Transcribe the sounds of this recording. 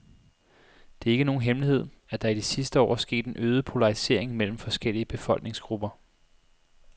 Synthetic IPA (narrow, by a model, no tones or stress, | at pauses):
d̥e̝æɐe̝ɡ̥əno̝ːn̩ɦemlihe̝ð̞̰ˠæd̥ɑ̈id̥isisd̥əɒ̰ːsɡ̥e̝̰ːd̥e̝nʔøːðˠəpʰo̝lɑ̈ʁise̝̰ɐ̰e̝ŋmel̰m̩fɒ̽sɡ̥el̰iəb̥e̝fɒ̽lɡ̥̚ne̝ŋsɡ̥ʁub̥ɐ